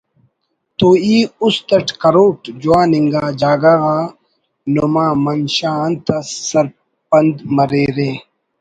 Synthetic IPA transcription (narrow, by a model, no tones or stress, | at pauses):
t̪oːiːust̪ɐʈkɐɾoːʈd͡ʑuwãːniŋɡaːd͡ʑaːɡaɣaː | nomãːmɐnɕaːnt̪ɐsːɐɾ | pɐnd̪mɐɾeɾe